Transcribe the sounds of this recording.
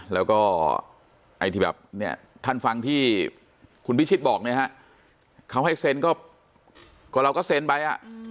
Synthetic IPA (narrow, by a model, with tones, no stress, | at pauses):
lɛː˦˥wkɔː˥˩ | ʔa˧jt̪iː˧˩bɛ̰˨˩p̚ni˥˩ɐ | t̪ʰaː˥˩nfa˧ŋt̪ʰiː˥˩ | kʰu˧npʰi˦˥˩t͡ɕʰi˦˥t̪̚bɔː˨˩k̚ni˥ɐɦa˦˥ʔ | kʰa˦˥˩wɦa˥˩jse˧nkɔː˥˩ | ku˨˩ɾa˧wkɔː˥˩se˧npa˧jʔa̰˨˩ʔ